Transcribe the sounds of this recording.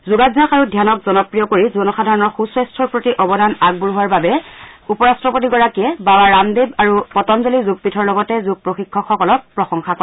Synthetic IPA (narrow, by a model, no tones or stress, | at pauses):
zuɡazaxaɹudʱjanɔkzɔnɔpɹijɔkoɹizɔnɔxadʱaɹɔnɔɹxuswɛstʰɔɹpɹotiʔɔbɔdʱanaɡ̚buɹɦʊwaɹbabɛupɔɹastɹɔpotiɡɔɹakiɛbabaɹamdebaɹupɔtɔmzolizuɡ̚pitʰɔɹlɔɡɔtɛzuɡ̚pɹoxikʰːɔkxɔkɔlɔk̚pɹɔxɔŋxakɔ